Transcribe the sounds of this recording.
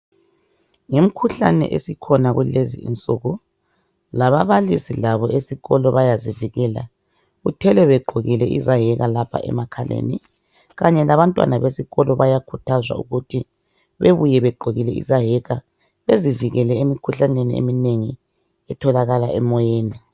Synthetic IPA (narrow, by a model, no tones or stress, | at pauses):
ŋem̩kʰuɬa̰nɛ̰ʔḛsikʰɔnaɣulezḭḭnt͡sʼuːɣu | laβaβalisilaβɔesiɣɔlɔβajaziviɣɛːla̰ | ɣutʰɛlɛβɛɡ͡ǃʱoɣilɛʔḭzaɦɛɣalapʰa̰ʔɛ̰makʰalʔḛnḭ | ɣaɲɛlaβantʼwa̰naβesiɣɔlɔβajakʰutʰazwa̰ṵɣutʰi | βeβujɛβɛɡ͡ǃʱoɣilɛḭzaɦɛɣa | βeziviɣɛlɛemikʰuɬaneniḛmineŋi | ɛtʰɔlaɣalaɛmɔjeːni